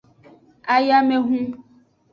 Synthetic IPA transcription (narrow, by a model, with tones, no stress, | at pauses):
a˨ja˦mẽ˦ɦũ˦